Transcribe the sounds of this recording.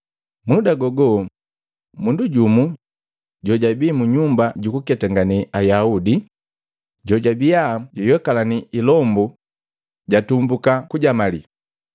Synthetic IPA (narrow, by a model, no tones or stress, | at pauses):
mudaɡɔɡɔ | munduɟumu | ɟɔɟabiːmuɲumbaɟukukɛtaŋɡaniʔajaudi | ɟɔɟabijaɟɔjwɛkalaniilɔmbu | ɟatumbukakuɟamalḭ